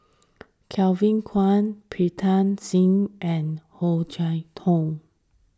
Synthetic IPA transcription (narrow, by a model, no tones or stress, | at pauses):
kʰɛlvĩnkʰwãnpʰɹitʰãnsĩŋʔɛ̃nhod͡ʒaɪtʰɔ̃ŋ